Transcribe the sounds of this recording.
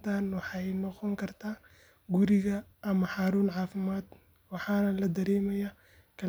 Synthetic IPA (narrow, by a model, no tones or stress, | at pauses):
t̪ʰaːnwɑħɑjnɔqɔŋkʰɐrt̪ʰaː | ɡʊɾɪɣɐʔɐmɐħɑːɾuːnʕɑːfɪmaːd̪ | wɑħɑːnɐlɐd̪ɐɾɛːmɐjaː | kʰɐ